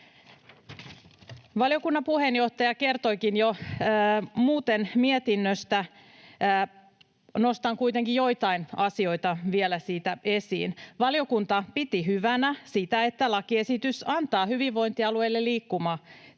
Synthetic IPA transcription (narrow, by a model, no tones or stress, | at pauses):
ʋɑlijo̞kunːɑmpuhenjo̞ht̪ɑjɑke̞rt̪oikinjo | muːt̪enmiet̪inːøst̪æː | nost̪ɑŋkuit̪eŋkijo̞it̪ɑinɑsio̞jt̪ɑʋielæsiːt̪æesḭːnʋɑlijo̞kunt̪ɑpit̪iɦyʋænæsit̪æet̪ːælɑkiesit̪ysɑnt̪ɑːhyʋiʋʋo̞jnt̪iɑlueilːeliːkːumɑː